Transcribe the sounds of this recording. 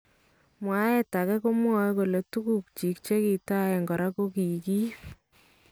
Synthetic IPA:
mwa˨˦e˦ta˨kɛ˦ko˦mwɔ˦ko˨le˨tu˦ku˦˨k̚t͡ʃi˨k̚t͡ʃe˦ki˨ta˦e˨ŋɡɔ˨ɾa˦ko˦ki˨ki˦p

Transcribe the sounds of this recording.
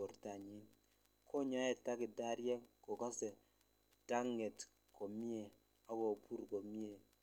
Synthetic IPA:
o˨ɾta˨ɲi˦n | ko˦ɲɔ˦ɛ˨ta˦ki˨da˦ɾje˦ŋko˨ka˦se˨ | ta˦ŋːe˨t | ko˨mi˦e˨ | a˦ko˨pu˦ɾko˨mi˦e˨

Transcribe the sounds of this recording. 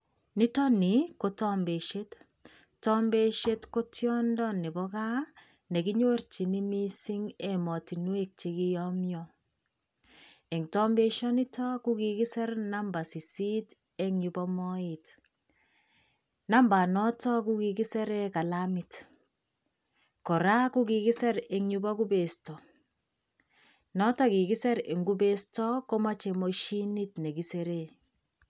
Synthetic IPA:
ni˦tɔ˦ni˨ko˦tɔ˦mbe˨ʃe˦t | tɔ˦mbe˦ʃe˦tko˦tjɔ˦ndɔ˦ni˨bɔ˦ka˦ | ne˨ki˦ɲo˦rt͡ʃi˨ni˦mi˦si˦ŋe˨mɔ˨ti˨nwe˦k̚t͡ʃi˨ki˦jɔmjɔ | e˨ŋtɔ˦mbe˦ʃɔ˦ni˦tɔ˦ku˦ki˨ki˦sɛ˦rna˦mba˨si˨si˦t | e˦ŋɲu˨bɔ˦mɔ˦ɪt | na˦mba˨nɔ˦tɔ˦ku˦ki˨ki˦sɛ˦ɾe˦ka˨la˦mi˨t | kɔ˨ɾa˦ku˦ki˨ki˦sɛ˦ɾe˦ŋɲubɔ˦ku˦be˨stɔ˨ | nɔ˦tɔ˦ki˨ki˦sɛ˦ɾe˨ŋɡu˦be˦stɔ˦ko˦ma˦t͡ʃe˨mo˨ʃi˦ni˦tne˨ki˨seɾe˦

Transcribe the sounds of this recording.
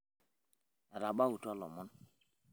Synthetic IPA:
ɾa˨ba˦wu˨ta˦lɔ̰˨mɔ˦n

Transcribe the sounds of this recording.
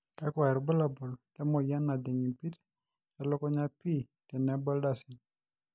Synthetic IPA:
ka˦kwa˨ɛ˨ɾbə˦la˨bɔ˨ltɛ˦mo˨ja˦nːa˨d̪ɛ˨ɲi˨pi˦t | ta˨lɔ˦kɔ˦ɲa˦pi˦˨ | tɛ˨nɛ˨˦bə˦lda˨si˨

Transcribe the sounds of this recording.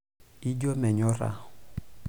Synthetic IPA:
i˦d͡ʒo˦mɛ˨ɲɔ˦ɾa̰˨

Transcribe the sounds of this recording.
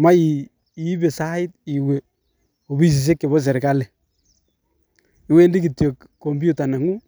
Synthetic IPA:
ma˦i˨ | i˨˦be˨sa˦ɪ˦t̚i˨we˨ | o˨bi˦˨s̬i˨s̬e˦ke˨βɔ˦s̬ɛ˨ɾe˨ka˦le˨ | i˨we˦ndi˦ki˨tjo˨kː | o˨mbu˦ta˨nɛ˨ŋu˦

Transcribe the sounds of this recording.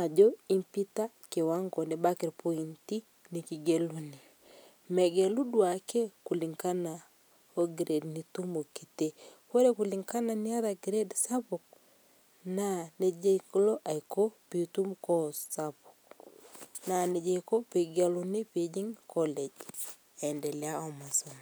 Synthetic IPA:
a˨d͡ʒɔi˦mpi˦ta˦ | ke˨wa˦ŋɡɔ˨ne˨bakɛ˨ɾpʰɔ˦i˨nti˦ | ni˨ki˨ɡelune | mɛ˨ɡɛ˨lu˦dwa˨kɛ˦ku˨liŋka˦na˨ | oɡɾʔɛ˨dnitu˦mo˨ki̥˨tekwe˦ɾe˦kuli˨ŋka˦na˨ni˦a˦ðaɡɾɛ˦dsa˦po˨k̚ | na˨ne˦d͡ʒe˦iko˦lɔ˦ʔa˨jko˦pitu˦mkɔsapuk | na˨ne˨d͡ʒe˨ko˦pe˨ɡa˨lune˦pe˨d͡ʒi˦ŋkʰɔlɛ˨d͡ʒ | ɛ˨ndɛ˨ljaɔ˨ma˨soma

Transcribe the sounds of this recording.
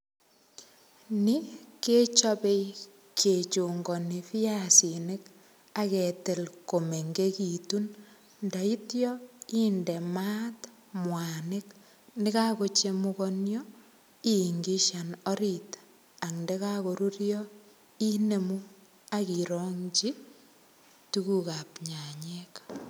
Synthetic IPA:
ni˦ke˦t͡ʃɔ˦pe˦i | kʰe˨t͡ʃu˨ŋɡɔ˨ni˨fi˦ja˦si˨ne˦k | a˦ke˨te˨lko˨me˨ŋɡe˦ki˨tu˦n | nda˨i˦tjɔiː˦ndɛ˨ma˦t | mwa˨ne˦k | nɪ˦ka˦ko˨t͡ʃe˦mukɔ˦njɔ˦ | i˦ŋɡi˦ʃa˨nɔ˦ɾi˨t | a˨knde˦ka˦ko˨ɾu˦ɾjɔ˦ | i˦ne˨mu˦ | a˦ki˨ɾɔŋt͡ʃi˦ | tuku˦ka˨pɲa˨ɲe˦k

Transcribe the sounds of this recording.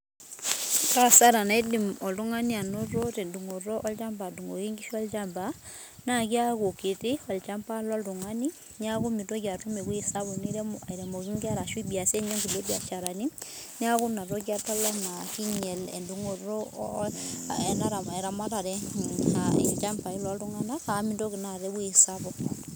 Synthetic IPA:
ta˦sa˦ɾa˨na˨i˦di˨mɔ˨ldu˦ŋa˦ni˦a˨no˦ro˦tɛ˨ndu˨ŋo˨rɔ˦ʔɔ˦lt͡ʃa˦mba˨du˨ŋo̰˨ki˦ŋɡi˦ʃu˦ɔ˦lt͡ʃa˦mba˨ | na˦ki˦a˦ko˨ki˨ti˦ɔ˨lt͡ʃa˦mpa˦lɔ˦ltu˨ŋa˦ni˦ | ɲ˦a˦ku˦mi˨to˦ki˨a˨tu˦me˨ku˦i˨sa˦bu˨ni˦ɾɛ˦ma̰˨i˨ɾɛ˨mɔ˨ki˦ŋɡi˦a˦ɾa˨ʃwi˦bi˨a˨sɛ˦ɲɔ˦ŋɡi˨le˦bia̰˨t͡ʃa˨ɾa˨ni˦ | ɲ˦a˦ku˦na˨ɾo˦kja˦ta˦lɔ˦na˨ki˦ɲɛ˨lɛ̰˨ndu˨ŋo˨ɾo˦ | ɛ˨na˦ɾa˨ma˨ɛ˨ɾa˨ma˦ta˨ɾɛ˦aḛ˨t͡ʃa˦mpa˨i˦lɔ˦ltu˦ŋa˦na˦ka˨˦mi˨ndo˦ki˨na˨ɾɛ˦kwi˦i˨sabɔ˦

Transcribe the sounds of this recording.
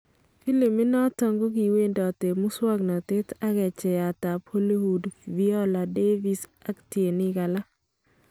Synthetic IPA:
fi˦li˨mːɪ˦nɔ˦tɔ˨ŋɡo˦ɡi˨we˦ndɔ˨te˨mʊ˦swa˦ɡnɔ˨te˦ta˦kɛ˨t͡ʃɛ˨ja˨ta˨pʰo˦li˦hu˨dvi˦ɔ˦la˨de˦vi˦sa˦ktie˨ni˦ɡa˨la˦

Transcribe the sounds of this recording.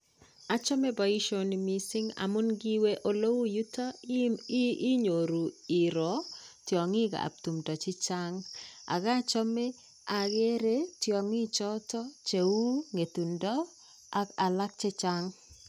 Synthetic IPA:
a˦t͡ʃɔ˦me˦bɔ˨i˦ʃo˦nimi˨sɪ˦ŋa̰˨mʊ˦nɡi˦we˦ʔo˦lo˦wu˦ju˦ta˦ | i˦ɲo˨ɾu˨i˨ɾɔ˨tjɔ˨ŋɪ˦ɡa̰˨a̰˨p̚t̪u˨mdɔ˨t͡ʃɪ˦t͡ʃa˦ŋa̰˨ɡa˦t͡ʃɔ˦me˦ | a˨ɡe˦ɾe˦tjɔ˨ŋi˦t͡ʃɔ˦tɔ˦t͡ʃe˨wu˦ŋe˨t̪u˨ndɔ˦ | a˨ka˨la˦k̚t͡ʃe˦t͡ʃa˦ŋ

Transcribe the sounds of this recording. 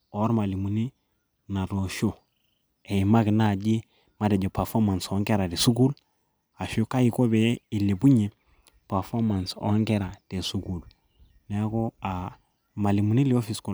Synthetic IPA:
o˦ɾma˨li˨mu˨ni˦ | na˨to˨ʃo˦ | e˨i˨ma˦kna˦˨d͡ʒi˦ | ma˨de˨d͡ʒo˨pa˨fo˦ma˨nso˦ŋɡe˦ɾa˨de˨su˦ɡu˦l | a˨ʃu˦ka˦i˨ko˦be˦i˨le˨bu˦ɲe˨ | pa˨fo˦ma˨nso̰˦ŋɡe˦ɾa˨d̥e˨su˦ku˨l | ne˦ko˦a˨ | ma˨li˨mu˨ni˦li˦o˦fi˨sko˨

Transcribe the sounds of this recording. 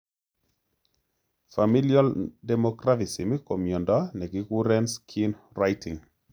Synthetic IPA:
fami˦ljɔ˦ldɛmɔkɾavi˨si˨mi˦ko˨mjɔ˨nda˦nɛ˨ɡi˦ku˦ɾɛ˦nskʰin | rajtɪ˨ŋ

